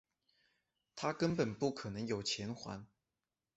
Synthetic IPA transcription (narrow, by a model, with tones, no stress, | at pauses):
t̪ʰa˥kə˥npə˨˩npu˥˩kʰɤ˨˩nɤ˧˥ŋjo˨˩ʊt͡ɕʰjɛ˧˥nxwa̰˧˥˦n